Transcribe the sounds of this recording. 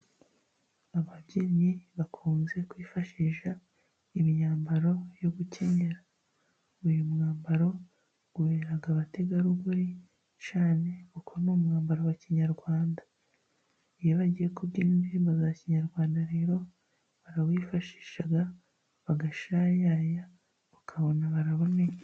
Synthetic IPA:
aβabɟiɲiβakʰuːnze̞kwiːfaʃiʃa | imɲaːmbaɾo̞joɡuce̞ɲe̞ɾa | ujumŋaːmbaɾo̞ | ɡ̥ueɾaɡaβate̞ɡaɾuɡuɾi | t͡ʃaːne̞βukʰonoːmŋaːmbaɾowaciɲaɾɡwaːnda | ijeβaɟijekubɟiːnniːmbazaaciɲaɾɡwaːndaɾe̞ːɾo̞ | βaɾawiːfaʃi̥ːʃaɡa | βaɡaʃaːjaːja | βakʰaβo̞naβaɾaβo̞ne̞ɲa

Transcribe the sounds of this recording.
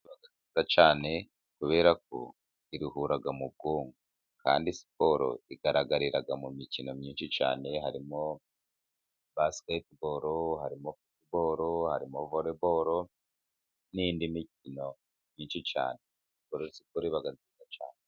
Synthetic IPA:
βaɡazizat͡ʃaːne̞ | kuβe̞ːɾak̚o̞̰ | iɾihuɾaɡamub̚ɡoːŋɡu | ka̰ːndisi̥po̞ɾo̰iɡaɾaɡaɾiɾaɡamumicino̞mɲiːnʃit͡ʃa̰ːne̞ɦaɾimo̞ | basketboɾohaɾimofitboɾohaɾimovoɾeboɾo | nindimicino̞ | mɲiːnʃit͡ʃa̰ːne̞ | sikoɾoisipoɾiβaɡazizat͡ʃa̰ːne

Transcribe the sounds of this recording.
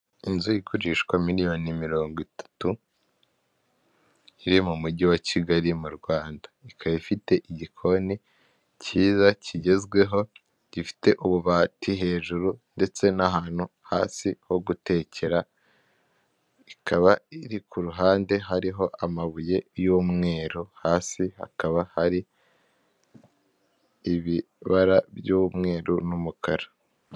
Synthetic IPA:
inzujikuɾiʃkwamiɾijo̞nimiɾo̞ːŋɡwitʰḁtu | iɾimumuɟiwaciɡaɾimuɾɡwaːndḁikʰaβifite̞ʔiɟikʰo̞ni | ciːzacʰiɟe̞zɡwe̞ɦo̞ | ɟ̥ifi̥te̞ʔuβuβaːtiɦe̞ːʒuɾunde̞t͡se̞nahaːn̥huhaːsiho̞ɡute̞ːcʰe̞ɾa | ikʰaβaiɾikʰuɾuɦaːnde̞ɦaɾiɦo̞ʔamaβuje̞juːmŋe̞ːɾuhaːsiha̰kaβahaɾi | iβi | βaɾaβjumŋe̞ːɾunumukʰaɾa

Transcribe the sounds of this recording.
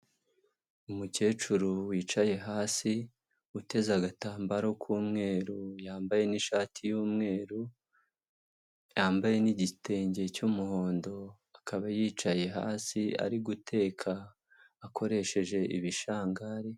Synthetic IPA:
umuce̞ːt͡ʃuɾuwiːt͡ʃaje̞ɦaːsi | ute̞zaɡataːmbaɾo̞kʰuːmŋe̞ːɾujaːmbaje̞niʃaːtʰijuːmŋe̞ːɾu | jaːmbaje̞niɟite̞ːɲɟe̞cumuho̞ːndo̞ | akʰaβajiːt͡ʃaje̞ɦa̰ːsia̰ɾiɡutʰe̞ːkʰaː | kʰo̞ɾe̞ʃe̞ʒe̞ʔiβiʃaːŋɡaɾe

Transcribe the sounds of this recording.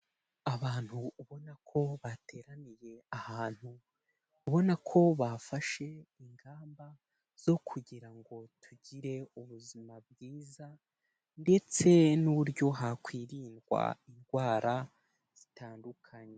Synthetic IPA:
aβaːn̥huːβo̞nakʰo̞βatʰe̞ːɾanije̞ahaːn̥hu | uβo̞nakʰo̞βafaʃe̞iŋɡaːmba | z̥o̞kʰuɟiɾaŋɡo̞tʰuɟiɾe̞uβuzimab̚ɡiːza | nde̞t͡se̞nuɾjo̞ɦakwiːɾiːnwa̰inɡwaːɾa | z̥itaːndukʰaɲe

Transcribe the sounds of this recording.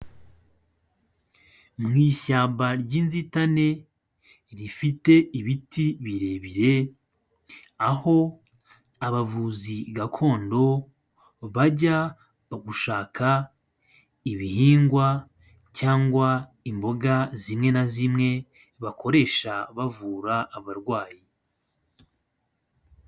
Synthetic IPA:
mŋiːʃaːmbaɾɟiːnzitane̞ | ɾifite̞iβitʰiβiɾe̞βiɾe̞ | aho̞ | aβavuːziɡakʰo̞ːndo̞ | βaɟa | ɡuʃaːkʰa | iβihiːŋɡwa | caːŋɡwa | imbo̞ɡazimŋe̞nazimŋe̞ | βakʰo̞ɾe̞ʃaβavuːɾaːβaɾɡwaːji

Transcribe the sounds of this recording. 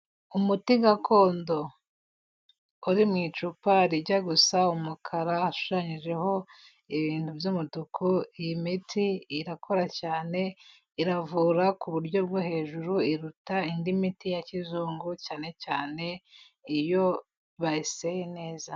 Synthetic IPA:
umutiɡakʰo̞ːndo̞ | uɾimŋiːt͡ʃupaɾiɟaɡusaumukʰaɾaːʃu̥ʃaɲiʒe̞ho̞ | iβiːntuvjumutukʰujimitiiɾakʰo̞ɾacaːne̞ | iɾavuːɾakuβuɾɟo̞bɡwohe̞ːʒuɾuiɾutaindimitijacizuːŋɡucaːne̞caːne̞ | ijo̞ | βaisejene̞ːza

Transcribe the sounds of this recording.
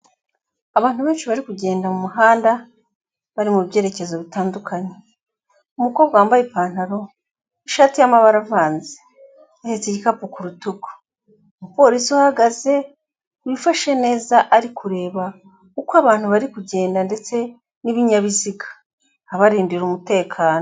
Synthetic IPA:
aβaːnhuβe̞ːnʃiβaɾikuɟe̞ːndamumuɦaːnda | βaɾimuβɟe̞ːɾe̞ce̞zo̞βitaːndukʰaɲe | umuko̞βɡwaːmbajepaːn̥haɾo̞ | iʃaːtijamaβaɾavaːnze̥ | ahet͡seɟikapukuɾutuɡo̥ | mupo̞ːɾisiuhaɡaze̞ | wifaʃe̞ne̞ːzaʔaɾikʰuɾe̞ːβa | kukwaβaːn̥huβaɾikuɟe̞ːndande̞t͡se̞ | niβiɲaβiziɡḁː | βaɾiːndiɾumute̞ːkʰaːno

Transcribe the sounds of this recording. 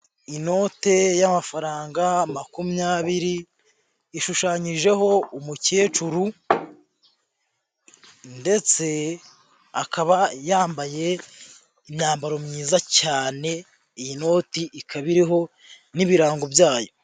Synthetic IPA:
ino̞ːte̞jamafaɾaːŋɡamakumuɲaːβiɾiː | ʃuʃaːɲiʒe̞ɦo̞umuce̞ːt͡ʃuɾu | nde̞t͡se̞ | akʰaβajaːmbaje̞ | imɲaːmbaɾo̞mɲiːzacaːne̞ | ijino̞ːtiʔikʰaβiɾiɦo̞ | niβiɾaːŋɡo̞bjaːjo̞

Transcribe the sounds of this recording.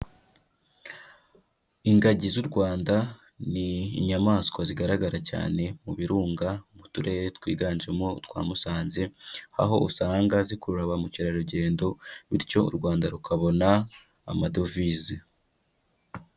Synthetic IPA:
iŋɡaɟizuɾɡwaːnda | nḭːɲamaːnskwaziɡaɾaɡaɾaca̰ːne̞muβiɾuːŋɡamutuɾe̞jetwiːɡaːnd͡ʒemo̞twa̰ːmusaːnze̞ha̰ɦo̞̰usaːŋɡazikuɾuɾaβamuciɾaɾuɟe̞ːndo̞βiɾco̞ṵɾɡwaːndaɾukʰaβo̞naː | madovizi

